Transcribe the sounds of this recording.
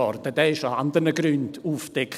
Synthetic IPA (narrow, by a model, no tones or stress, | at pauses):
ɔrd̥əd̥ɛːɪʃaand̪əɾnəɡɾʏnduːfd̥ɛkʰ